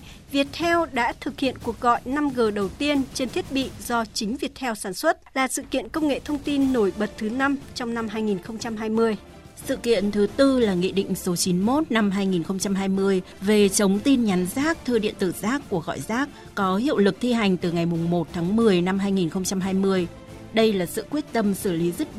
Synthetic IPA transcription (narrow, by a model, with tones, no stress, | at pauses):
vi˨˩ət̚t̪ʰɛ˧wɗa̰ː˧˥t̪ʰɨ˨˩k̚hḭ˧˨ənku˨˩ək̚ɣɔ̰˧˨jna˧mɣəː˨˩ɗə˨˩wt̪i˧ənt͡ɕe˧nt̪ʰi˦˥ət̚ɓḭ˧˨zɔ˧t͡ɕï˨˦ŋ̟vi˨˩ət̚hʰɛ˧wsaː˧˩nswə˦˥t̚laː˨˩sɨ̰˧˨kḭ˧˨ənkə˧wŋ͡mŋḛ˧˨t̪ʰə˧wŋ͡mt̪i˧nːo˧˩jɓə˨˩t̚t̪ʰɨ˨˦na˧mt͡ɕɔ˧wŋ͡mna˧mɦaː˧jŋi˨˩nxə˧wŋ͡mt͡ɕa˧mɦaː˧jmɨ˧əj | sɨ̰˧˨kḭ˧˨ənt̪ʰɨ˨˦t̪ɨ˧laː˨˩ŋḭ˧˨ɗḭ˧˨ŋ̟so˨˦t͡ɕi˨˦nmo˦˥t̚na˧mɦaː˧jŋi˨˩nxə˧wŋ͡mt͡ɕa˧mɦaː˧jmɨ˧əj | ve˨˩t͡ɕə˨˦wŋ͡mt̪i˧nɲa˨˦nzaː˦˥k̚t̪ʰɨ˧əɗḭ˧˨ənt̪ɨ˧˩zaː˦˥kːu˧˩əɣɔ̰˧˨jzaː˦˥k̚ | kɔ˨˦ɦḭ˧˨əwlɨ˨˩k̚t̪ʰi˧ɦa˨˩jŋ̟t̪ɨ˨˩ŋa˨˩jmʊ˨˩ŋ͡mmo˨˩t̚t̪ʰaː˨˦ŋmɨ˨˩əjna˧mɦaː˧jŋi˨˩nxə˧wŋ͡mt͡ɕa˧mɦaː˧jmɨ˧əj | ɗə˧jlaː˨˩sɨ̰˧˨kwi˦˥ət̚t̪ə˧msɨ˧˩li˨˦zɨ˦˥t̚